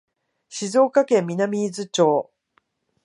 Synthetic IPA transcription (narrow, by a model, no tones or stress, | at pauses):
ɕizo̞ːkakẽ̞mːʲinamʲiːzɨt͡ɕo̞ː